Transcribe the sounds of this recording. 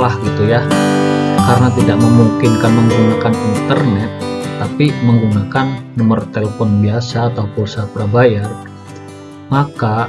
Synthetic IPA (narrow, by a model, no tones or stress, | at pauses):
lahɡit̪uja | kaɾənat̪idaʔ̚məmuŋkɪnkanməŋɡunakanint̪ərnɛt̪ːapiməŋɡunakanːəmərt̪eləfɔnbiasaːt̪aupulsapəɾabajar | maka